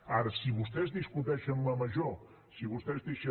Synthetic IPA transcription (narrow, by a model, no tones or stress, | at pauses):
aɾəsiβust̪ɛzðiskut̪ɛʃənləməʒo | siβust̪ɛzðeʃə